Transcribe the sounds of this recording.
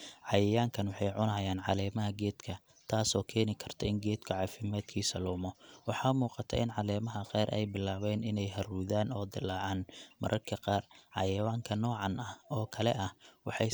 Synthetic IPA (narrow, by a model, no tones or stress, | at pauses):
ʕɑjɐjaːŋkʰɐnwɑħɑjʕʊnɐːjaːnʕɑlɛːmɐɦɐɡɛːd̪kʰɐ | t̪ʰaːsɔːkʰɛːnɪkʰɐrt̪ʰɐɪŋɡɛːd̪kʰʊʕɑːfɪmaːd̪̥kʰiːsɐlʊmɔwɑħɑːmuːqɑt̪ʰɐ̰ʔɪnʕɑlɛːmɐɦɐqɛːɾʔɛ̰jbɪlːaːβɛːnɪnɛjɦɐruːðaːnɔːd̪ɪlaːʕɑːnmɐ̰ɾʔɐrkʰɐqɑːrʕɑ̰jɐwaːŋkʰɐnɔːʕɑnɐhɔːkʰɐlɛ̰ʔɐhwɑħɑj